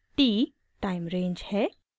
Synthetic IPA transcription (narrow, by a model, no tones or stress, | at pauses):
ʈi | ʈaɪmɾẽːnd͡ʒhɛ